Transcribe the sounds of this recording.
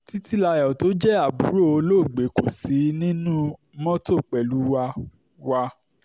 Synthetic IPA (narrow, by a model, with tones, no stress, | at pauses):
ti˦ti˦la˧jɔ˨to˦d͡ʒɛ˦a˦˨bu˨˦ɾo˦˨o˧lo˦˨ɡ͡be˨˦ko˨si˨˦nĩ˦nũ˦ | mɔ̃˦to˦˨k͡pɛ˨lu˨˦wa˧ | wa˧